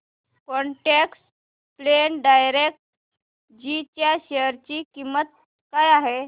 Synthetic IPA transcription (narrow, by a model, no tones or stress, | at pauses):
kɔɳʈeks | plenɖajɾek̚ʈ | d͡ʑit͡ɕjaɕeəɾt͡ɕikimːət̪̚ | kajaɦe